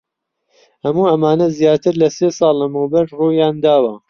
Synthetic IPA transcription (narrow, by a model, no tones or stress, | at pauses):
hɐmuːɐmaːnɐzjaːt̪ɨɾlɐsesˤɑːlːɐmɨwbɐɾruːjaːnd̪aːwɐ